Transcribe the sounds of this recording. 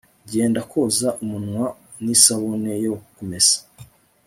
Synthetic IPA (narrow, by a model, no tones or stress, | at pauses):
ɟe̞ːndako̞ːzaʔumunŋwa | nisaβonejokomez̥ḁ